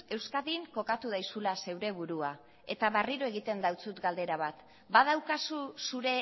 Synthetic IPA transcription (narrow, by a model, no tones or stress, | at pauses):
e̞wskaðiŋko̞kat̪uð̞ajsulase̞wɾe̞β̞uɾua | e̞t̪aβariɾo̞e̞ɣ̞it̪e̞nd̪awt͡sut̪ɡald̪e̞ɾaβ̞at̪ | bað̞awkasusuɾe̞